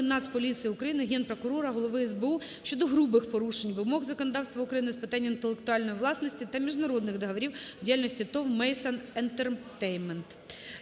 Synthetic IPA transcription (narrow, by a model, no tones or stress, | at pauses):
ɪnːɑt̪spɔlʲit̪sʲijiʊkɾɐjinɪɦʲɛnpɾɔkʊɾɔɾɐɦɔlˠɔʋɪɛzbeuʃʲt͡ʃɔd̪ɔɦɾubɪxpɔɾuʃenʲʋɪmɔɣzɐkɔnɔd̪ɑwst̪ʋɐʊukɾɐjinɪspɪt̪ɑnʲːɐint̪elˠekt̪ʊɑlʲnɔjiʋlˠɑsnɔsʲtʲit̪ɐmʲiʒnɐɾɔd̪nɪxd̪ɐɦɐʋɔɾʲiwdʲijalʲnɔsʲtʲit̪ɔwmɛjsɐnent̪ert̪ɛjnment̪